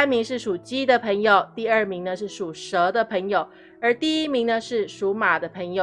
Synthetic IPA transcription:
a˥nmi˧˥ŋʂɻ̩˥˩ʂu˨˩t͡ɕi˥d̪ə˨pʰɤ˧˥ŋjo˨˩ʊt̪i˥˧ə˥˩mi˧˥ŋnə˧ʂɻ̩˥˩ʂu˨˩ʂɤ˧˥d̪ə˧pʰɤ˧˥ŋjo˨˩ʊ | ə˞˧˥t̪i˥˩i˥mi˧˥ŋnə˧ʂɻ̩˥˩ʂu˧˥ma˨˩d̪ə˦pʰə˧˥ŋjo˨

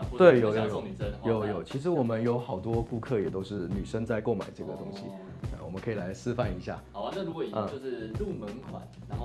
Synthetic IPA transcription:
t̪we˥˩ɪjo˨˩˧ʊjo˨˩˧jjo˨˩˦ʊjo˨˩ʊt͡ɕʰi˧˥ʂɻ̩˧˥wɔ˨˩mə˦njo˧˥ʊxɑ˨˩ʊt̪wɔ˥ku˥˧kʰɤ˥˩jɛ˨˩t̪o˥ʊʂɻ̩˥˩ny˨˩ʂə˥nt͡sa˥˧ɪko˥˩ʊma̰˨˩ɪʈ͡ʂɤ˥˩ɡə˩t̪ʊ˥ŋɕḭ˨ | e˥˩wɔ˨˩mə˦kʰɤ˧i˨˩la˧˥ɪsɹ̩˥fa˥˩ni˧˥ɕja̰˥˩˨na˥˩ɻu˥wɔ˧˨ə˥˩jʂɻ̩˥˧lu˥˩mə˧˥ŋkʰwa̰˨˩˦n˧˥˨

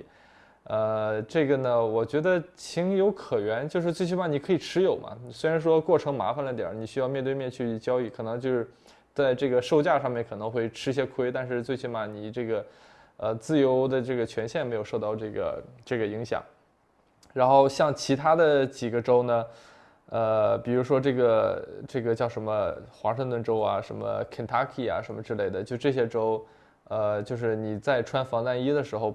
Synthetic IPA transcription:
ə˧ʈ͡ʂɤ˥˩ɡə˩nə˩wɔ˨˩t͡ɕɥɛ˧˥d̪ə˧t͡ɕʰi˧˥ŋjo˧˥ʊkʰɤ˨˩ɥɛ˧˥nt͡ɕjo˥˧ʊʂ̬ɻ̩˥˧t͡swe˥˧ɪt͡ɕʰy˥ma˥˩ni˨˩kʰɤ˧˥i˨˩ʈ͡ʂʰɻ̩˥jo˨˩ʊmʔɐ̰˦swe˥ɪɻa˧˥nʂ̬wɔ˥kwɔ˥˩ʈ͡ʂʰɤ˧˥ŋma̰˧˥fa˧nlə˧i˥t̪jɛ̰˨˩˦ni˨˩ɕy˥jɑ˥˧ʊmjɛ˥˧nt̪we˥˧mjɛ˥˧nt͡ɕʰy˥˧t͡ɕjɑ˥ʊi˥˩kʰɤ˨˩nɤ˧˥ŋt͡ɕjo˥˧ʊʂɻ̩˥˩ | t͡sa˥˧ɪʈ͡ʂɤ˥˩ɡə˩ʂo˥˧ʊt͡ɕja˥˧ʂɑ˥˧ŋmjɛ˥˩nkʰɤ˨˩nɤ˧˥ŋxwe˥˩ɪʈ͡ʂʰɻ̩˥˧ɕ̬jɛ˥kʰwe˥ɪt̪a˥˧nʂ̬ɻ̩˥˧t͡swe˥˧ɪt͡ɕʰy˥˧ma˧˩ni˨˩ʈ͡ʂɤ˥˩ɡə˩ | ə˧t͡sɹ̩˥˩jo˧˥ʊd̪ə˧ʈ͡ʂɤ˥˩ɡə˩t͡ɕʰɥɛ˧˥nɕjɛ˥˩nm˧˥ɪo˨˩ʂo˥˧ʊt̪ɑ˥˧ʊʈ͡ʂɤ˥˩ɡə̰˩ʈ͡ʂɤ˥˩ɡə˩i˧˥ŋɕjɑ̰˨˩˦ŋ | ɻa˧˥nxo˥˧ʊɕjɑ˥˩ŋt͡ɕʰi˧˥t̪ʰa˥d̪ə˨t͡ɕi˨˩ɡə˧˦ʈ͡ʂo˥ʊnə˨ | ə˧pi˨˩ɻu˧˥ʂwɔ˥ʈ͡ʂɤ˥˩ɡə˩ʈ͡ʂɤ˥˩ɡə˩t͡ɕjɑ˥˩ʊʂə˧˥nmə˧xwa̰˧˥ʂɤ˥˧ŋt̪wə˥˩nʈ͡ʂo˥ʊa̰˨ʂə˧˥mə̰˧kʰi˨˩nt̪ʰa˥kʰi˨˩a̰˩ʂə˧˥nmə˧ʈ͡ʂɻ̩˥le˥˩ɪd̪ə˩t͡ɕjo˥˩˧ʈ͡ʂɤ˥˩ɕ̬jɛ˥ʈ͡ʂo˥ʊ | ə˧t͡ɕjo˥˧ʊʂɻ̩˥˩ni˨˩t͡sa˥˩ɪʈ͡ʂʰwa˥nfɑ˧˥ŋt̪a˥˧ni˥d̪ə˨ʂɻ̩˧˥xo˧ʊ

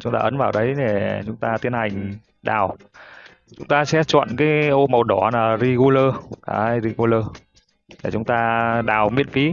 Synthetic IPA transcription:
t͡ɕʊ˨˦ŋ͡mt̪aː˧ʔə˨˦nvaː˨˩wɗə˨˦jɗe˨˩t͡ɕʊ˨˦ŋ͡mt̪aː˧t̪i˧ənha˨˩jŋ̟ | ɗa̰ː˨˩w | t͡ɕʊ˨˦ŋ͡mt̪aː˧sɛ̰˧˥t͡ɕwɔ̰˧˨nkaː˨˦jʔo˧mə˨˩wɗɔ˧˩naː˨˩˨zi˧ɣu˧ləː˧ʔaː˧˦jzi˧ɣu˧ləː˧ | t̪ʰe˨˩t͡ɕʊ˨˦ŋ͡mt̪aː˧ɗaː˨˩wmḭ˧˥ənfi˨˦

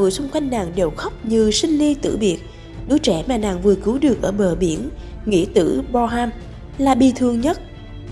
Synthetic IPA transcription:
ɨ̰˧˨əjsʊ˧ŋ͡mkwa˧jŋ̟naː˨˩ŋɗe˨˩wxɔ˦˥wk͡p̚ɲɨ˧˩sï˧ŋ̟li˧t̪ɨ̰˧˩ɓi˨˩ət̚ | ɗu˨˦t͡ɕɛ˧˩maː˨˩naː˨˩ŋvɨ˨˩kɨ˨˦wɗɨ˨˩ək̚ʔəː˧˩ɓəː˨˩ɓi˧˩ən | ŋḭ˧˥ət̪ɨ̰˧˥ɓɔ˧ɦaː˧m | laː˨˩ɓi˨˩t̪ʰɨ˨˩əŋɲə˦˥t̚

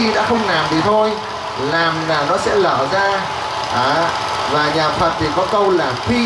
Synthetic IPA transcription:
i˧ɗa̰ː˧˥xə˧wŋ͡mnaː˨˩mvi˨˩t̪ʰo˧j | laː˨˩mlaː˨˩nɔ˨˦sɛ̰˧˥ləː˧˩zaː˧ | ʔaː˨˩ | vaː˨˩ɲaː˨˩fʰə˨˩t̚t̪ʰi˨˩kɔ˨˦kə˧wlaː˨˩xwi˧

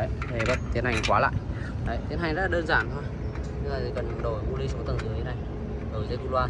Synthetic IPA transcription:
ə˨˦e˨˩və̰˧˨nt̪i˨˦ənha˨˩jŋ̟kwaː˨˦la̰ː˧˨j | ɗə˨˦jt̪i˨˦na˨˩ŋ̟zə̰˧˥laː˨ɗəː˧nzaː˧˩nt̪ʰo˧j | ɲɨ˧ŋlaː˨˩i˨˩kə˨˩nɗo˨˩jmu˧li˧so˨˦t̪ə˨˩nzɨ˨˦e˨˦na˧˩j | ɗo˨˩˨zə˧ku˧˩lwaː˧

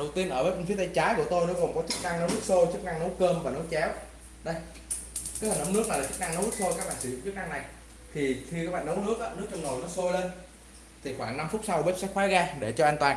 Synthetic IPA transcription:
ɗə˨˩wt̪i˧ənʔəː˧˩ɓəː˨˦jŋ̟fi˨˦ət̪a˧jt͡ɕaː˨˦jku˧˩ət̪o˧jnɔ˨˦kɔ˨˩ŋ͡mkɔ˨˦t͡ɕɨ˦˥k̚na˧ŋnɔ˨˦nɨ˦˥k̚so˧jt͡ɕɨ˦˥k̚na˧ŋno˨˦jkəː˧mvaː˨˩no˨˦jt͡ɕɛ˨˦w | ɗə˧j | kaː˨˦jhəː˨˩nə˨˦wnɨ˦˥k̚na˨˩lːt͡ɕɨ˦˥k̚na˧ŋnə˨˦zɨ˦˥so˧jkaː˦˥j̚aː˨˩ŋsɨ̰˧˩˨ŋ͡mt͡ɕɨ˦˥k̚na˧ŋna˨˩j | t̪ʰi˨˩xʰi˧kaː˨˦jɓaː˧˨˩nɗə˨˦wnɨ˦˥ək̚ʔaː˨˦nɨ˦˥ək̚t͡ɕɔ˧ŋ͡mno˨˩jnɔ˨˦so˧jle˧n | t̪ʰi˨˩xwaː˧˩ŋna˧mfʊ˦˥t̚sa˧wɓe˦˥p̚sɛ̰˧˥xwaː˨˦˥ɣaː˧ɗe˧˩t͡ɕɔ˧aː˧ŋ̟t̪waː˨˩n

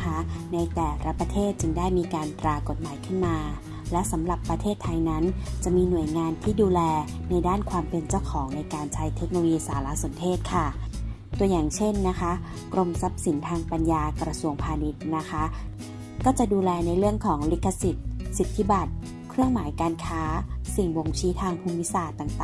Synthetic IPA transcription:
kʰa˦˥na˧jt̪ɛː˨˩ɾa˧pa˧t̪ʰeː˥˩t̪̚t͡ɕɯ˧ŋdaː˥˩jmiː˧kaː˧nt̪ɾaː˧ko˨˩t̪̚maː˩˦jkʰɯ˥˩nmaː˧ | lɛ˦˥wsa˩˦mla˨˩pːa˧t̪ʰeː˥˩t̪ʰːa˧jna˦˥nt͡ɕa˨˩miː˧nu˨˩əjŋaː˧nt̪ʰiː˥˩duː˧lɛː˧na˧jdaː˥˩nkʰwaː˧mpe˧nt͡ɕa˥˩wkʰɔː˩˦ŋna˧jkaː˧nt͡ɕʰa˧˥jt̪ʰe˦˥k̚no˧jiː˧saː˩˦la˧˥so˨˩˦nt̪ʰeː˥˩t̪̚kʰa˥˩ | t̪u˧ɐjaː˨˩ŋt͡ɕʰe˥˩nːa˦˥kʰa˦˥ | kɾo˧msa˦˥p̚si˩˦nt̪ʰaː˧ŋpa˧njaː˧kɾa˧su˧əŋpʰaː˧ni˦˥t̪̚na˦˥kʰa˦˥ | kɔː˥˩t͡ɕa˨˩duː˧lɛː˧na˧jlɯ˥˩əŋkʰɔː˩˦ŋli˦˥kʰːa˧si˨˩t̪̚si˨˩t̪ʰːi˦˥ba˨˩t̪̚ | kʰɾɯ˥˩əŋmaː˩˦jkaː˧nkʰaː˦˥si˨˩ŋbo˧ŋt͡ɕʰiː˦˥t̪ʰaː˧ŋpʰuː˧mːi˦˥saː˨˩t̪ːa˨˩ŋt̪aː˨

